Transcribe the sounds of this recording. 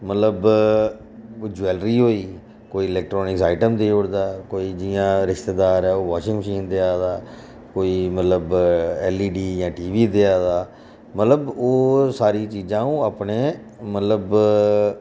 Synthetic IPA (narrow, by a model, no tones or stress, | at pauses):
mət̪ləb | d͡ʒuɛːlɾiːɦoːiː | koːiːɪlɛːk̚ʈɾɔːnɪksaːɪʈəmd̪eːoɽd̪aːkoːiːd͡ʒiːãːɾɪʃt̪eːd̪aːɾɛːoːʋaːʃɪ̃ŋɡməʃiːnd̪eaːd̪aː | koːiːmət̪ləbɛːliːɖiːjãːʈiːʋiːd̪eaːd̪aː | mət̪ləboːsaːɾiːt͡ʃiːd͡ʒãːũːaːpneː | mət̪ləb